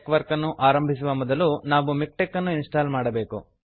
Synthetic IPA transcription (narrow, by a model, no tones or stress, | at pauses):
kʋɐɾkɐnːuʔaːɾɐmbʱis̬uʋɐmɔd̪ɐlunaːʋumik̚ʈekːɐnːuinsʈaːlmaːɽɐbe̞ːku